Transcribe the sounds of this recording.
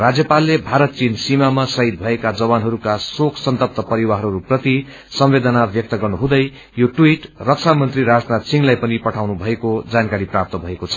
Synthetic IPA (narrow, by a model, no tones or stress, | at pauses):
rad͡zjʌpalːebʱaɾʌt̪̚t͡sinsimamasʌɦid̪̚bʱʌekad͡zʌβanɦʌɾukasokʰsʌnt̪ʌp̚t̪ʌpʌɾiwaɦʌɾuprʌt̪i | sʌmbed̪ʌnabjʌk̚t̪ʌɡʌrnuɦũd̪ʌj | joʈwiʈrʌk̚sʰamʌnt̪riɾad͡znat̪siŋlajpʌnipʌʈʰawnubʱʌekod͡zankaɾiprap̚t̪ʌbʱʌekot͡sʰʌ